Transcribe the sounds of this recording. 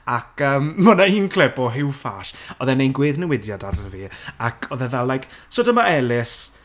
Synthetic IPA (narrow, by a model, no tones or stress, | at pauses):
akʰəːmːənaiːnkʰl̥ˠɛbɔɦɪwfaʃɔðɛnejnɡwɪːðnəwɪdjadarviakʰɔðɛðalːajksodəmaɛlɪs